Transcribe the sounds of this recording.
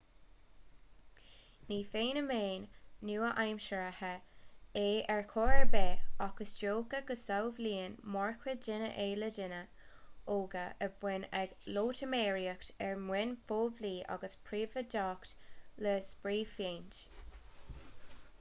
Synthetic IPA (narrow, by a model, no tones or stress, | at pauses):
niːfeːnəmeːnːuːəʔajmʃəɹəhəeːɛɹkʰoːɛɹbɛːɑkəsd͡ʒoːɡəɡəsawvliːənmɔɹkʰwəd͡ʒɪnə̰ʔeːlədɪnə | oːɡəʔəvwɪnɛɡloːtʰəmeːɹiəktɛɹmwɪnfoːvliːʔa̰ɡəspʰɹiːvədaːktləsbɹiːfjeːnt